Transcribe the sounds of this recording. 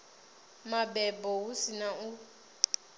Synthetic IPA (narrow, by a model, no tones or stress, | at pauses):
mabɛbɔusinaʔu